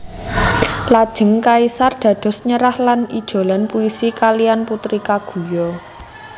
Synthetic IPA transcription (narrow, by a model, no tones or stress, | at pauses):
lad̥ʒ̥ə̤ŋkaisard̪̥ä̤d̪̥ɔ̤sɲəɾahlanid̥ʒ̥o̤lanpuisikalijanput̪ɾikaɡ̥ṳjɔ